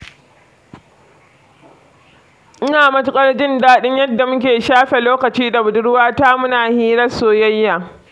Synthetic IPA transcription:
ʔɪ˦naː˨mɐ˦tʊ˦kʼɐ˦rd͡ʒɪ˦ndaː˦ɗɪ˦ɲjɐ˦dːa˨mʊ˦kʲeː˨ʃaː˦ɸe˨loː˦kɐ˨t͡ʃiː˦da˨bʊ˨dʊ˦ɽwaː˦taː˦mʊ˦naː˨hiː˦ɾɐ˦soː˦jɐ˦jːaː˨

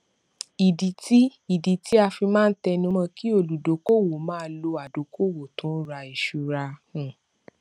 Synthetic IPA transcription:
i˨di˨ti˦i˨di˨˦ti˦a˧fi˧mãː˦˧n̩˦tɛ˧nũ˧˦mã˧ki˦o˨lu˨do˨˦ko˦˨wo˨mãː˦˧˦lo˧a˨do˨kʰo˦˨wo˨tũ˨˦ɾa˧i˨ʃu˨ɾa˧hũ˨

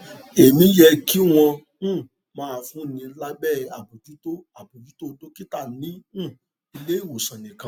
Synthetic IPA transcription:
e˨mĩ˨˦jɛ˧ki˦w̃ɔ̃˧˦˨ | mãː˨˧fũ˨˦nĩ˧la˦bɛ˦˨a˨bu˨ti˨˦to˦a˨bu˨ti˨˦to˦˨˦to˦ki˦ta˦˨nĩ˨˦˨ | i˧le˦i˦˨wo˨sã˨nĩ˨kã˧

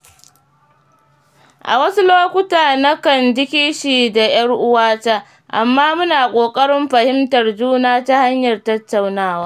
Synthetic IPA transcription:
ʔa̰˨wɐ˦su˦loː˦kʷʊ˦taː˨nɐ˦kɐ˨nd͡ʒɪ˦kʲi˦ʃiː˨da˨j̰ɐ˦rʔʊ˦waː˦taː˦ | ʔa̰˨mːaː˦mʊ˦naː˨kʷʼoː˨kʼɐ˦ɽɪ˦mɸɐ˨hɪ˦mtɐ˨rd͡ʒuː˦naː˦ta˦ha˦ɲjɐ˨rtɐ˦tːa˨wnaː˦waː˦

